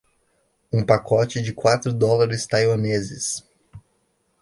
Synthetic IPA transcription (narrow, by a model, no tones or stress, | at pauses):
ũpakɔt͡ʃɪd͡ʒɪkwat̪ɾʊd̪ɔlaɾɪst̪ajwɐnezɪ̰s